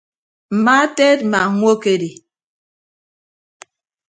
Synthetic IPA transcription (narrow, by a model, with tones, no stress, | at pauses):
m̩˨ma˦tɛ˦t̚ma˨ŋʷwo˦ke˦di˨